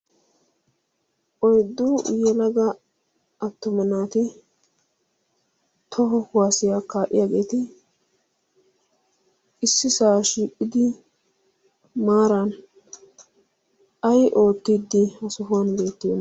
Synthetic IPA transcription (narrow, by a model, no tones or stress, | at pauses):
ʔɔjd̪ːujɛlɐɡɐ | ɐt̪ːʊmɐnaːt̪ɪ | t̪ʰɔɦɔhʊwaːsɪjaːkaːʔɪ̰jaːɡe̞ːt̪ɪ | ʔɪsːɪsaːʃiːkʼːɪd̪ɪ | maːɾɐn | ɐjʔo̞ːt̪ːid̪ːɪhɐsʊɦʊwanbe̞ːt̪ːeːnːɐ